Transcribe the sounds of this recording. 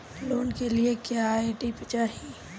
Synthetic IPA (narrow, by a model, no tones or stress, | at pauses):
loːnkeliekjaeʈipɪt͡ʃaːɦi